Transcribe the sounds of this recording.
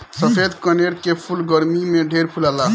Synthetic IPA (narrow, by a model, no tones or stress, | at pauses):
səpʰed̪kəneɽkepʰulɡəɾmimeɖʱeɾpʰulala